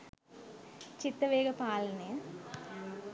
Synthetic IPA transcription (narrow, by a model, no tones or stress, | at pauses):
t͡ʃit̪ːɐʋeːɡɐpaːlɐne